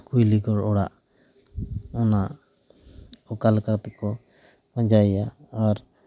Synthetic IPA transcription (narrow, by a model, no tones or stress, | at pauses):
kujliɡɔɽɔɽaʔ | ɔnaʔ | ɔkalkat̪ɛkɔ | əd͡ʒajja | aɾ